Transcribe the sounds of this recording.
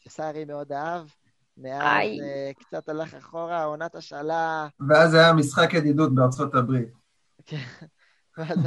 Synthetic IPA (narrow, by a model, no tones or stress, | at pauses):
ʃesaʁimeod̪aav | meaajkt͡sat̪alaχaχoʁaonat̪aʃalaveazajamisχakjed̪id̪ut̪̚beaʁt͡so̞t̪abʁit̪ | ken | vaz